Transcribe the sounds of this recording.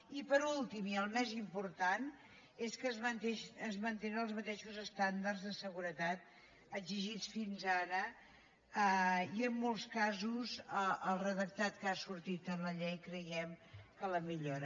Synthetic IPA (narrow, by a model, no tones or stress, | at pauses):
ipəɾulˠt̪imiəlˠmɛzimpuɾt̪an | eskəzmənt̪eʃəzmənt̪enənəlˠzmət̪eʃuzəst̪and̪ərzðəsəɣuɾət̪at̪̚ | əɡziʒit͡sfinzaɾə | əiəmːolˠskazuzəəlˠrəðək̚t̪at̪kasuɾt̪it̪ənləʎejkɾəjɛmkələmiʎoɾə